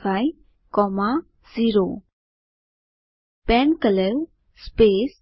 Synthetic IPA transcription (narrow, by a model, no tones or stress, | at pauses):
faj | kɔma | ziɾo | pɛnkəlew | spes